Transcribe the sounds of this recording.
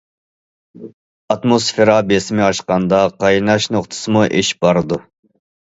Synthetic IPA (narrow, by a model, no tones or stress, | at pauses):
ɑt̪mosfeɾɑbesɪmɪɑʃqɑnd̪ɑqʰɑjnɑʃnoχt̪ʰɨ̥sɨmuʔeʃb̥ɑɾɨd̪u